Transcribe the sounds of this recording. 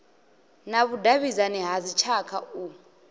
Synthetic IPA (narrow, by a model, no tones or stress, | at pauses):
naβudaβizanɛɦazit͡ʃʰakʰau